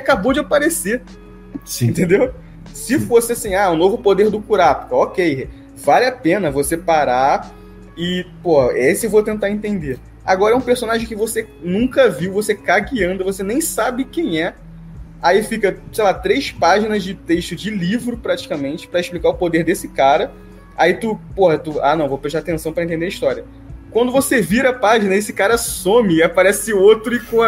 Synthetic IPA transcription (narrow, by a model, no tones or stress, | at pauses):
akabod͡ʒɪapaɾese | snt̪ẽnd̪ew | sɪfosɪasĩaʊnovʊpod̪eɾd̪ʊkuɾapkɐɔkej | valɪapẽnɐvosepaɾa | ɪpohɐɛesɪewvot̪ẽnt̪aɾẽnt̪ẽnd̪e | a̰ɡɔɾɐɛũpeɾsonaʒẽj̃kɪvose | nũkɐviwvosekaɡiɐ̃nd̪ʊvosenẽj̃sabɪkẽj̃ɛ | aifikɐsejlat̪ɾejspaʒinɐzd͡ʒɪt̪eʃt̪ʊd͡ʒɪlivɾʊpɾat͡ʃi̥kamẽnt͡ʃɪ̥pɾɐɪʃplikaʊpod̪eɾd̪esɪkaɾɐ | ait̪upohɐt̪ua̰nɐ̃w̃vopɾeʃt̪at̪ẽsɐ̃w̃pɾɐẽt̪ẽd̪eɐiʃt̪ɔɾiɐ | kwɐ̃nd̪ʊvoseviɾɐɐpaʒinɐesɪ̥kaɾɐsõmɪːapaɾɛsɪot̪ɾʊɪkõ